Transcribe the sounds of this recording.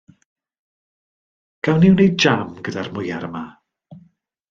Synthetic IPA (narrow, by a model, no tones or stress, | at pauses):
ɡ̥awniwnejd͡ʒamɡədarmʊjaɾəma